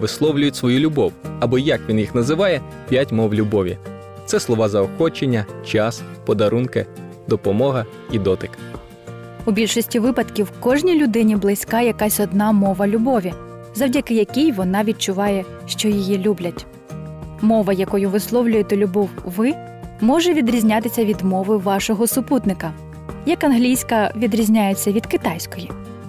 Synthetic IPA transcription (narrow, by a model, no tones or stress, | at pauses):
ʋɪslˠɔwlʲʊjʊtʲsʋɔjulʲʊbɔwɐbɔjɐkʋʲinjixnɐzɪʋɑjɛ | pʲjatʲmɔwlʲʊbɔʋʲḭ | t̪sɛslˠɔʋɑzɐɔxɔt͡ʃenʲːɐt͡ʃɑspɔd̪ɐɾunkɪ | d̪ɔpɔmɔɦɐ | id̪ɔt̪ɪk | ubʲilʲʃɔsʲtʲiʋɪpɐt̪kʲiwkɔʒnʲijlʲʊd̪ɪnʲiblˠɪsʲkɑjɐkɑsʲɔd̪nɑmɔʋɐlʲʊbɔʋʲi | zɐwdʲɐkɪjɐkʲijʋɔnɑʋʲit͡ʃʊʋɑjɛ | ʃt͡ʃɔjijilʲublʲɐtʲ | mɔʋɐjɐkɔjʊʋɪslˠɔwlʲʊjet̪ɛlʲʊbɔwʋɪ | mɔʒɛʋʲid̪ɾʲizʲnʲat̪ɪsʲɐʋʲid̪mɔʋɪʋɑʃɔɦɔsʊput̪nɪkɐ | jɐkɐnɦlʲijsʲkɐʋʲid̪ɾʲizʲnʲajet͡sʲːɐʋʲid̪kɪt̪ɑjsʲkɔji